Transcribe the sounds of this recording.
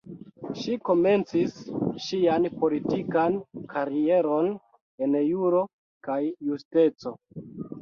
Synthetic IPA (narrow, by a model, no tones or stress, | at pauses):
ʃiko̞me̞nt͡sisʃianpo̞litikankʰaɾie̞ɾo̞n | e̞njuɾo̞ | kajːuste̞t͡so̞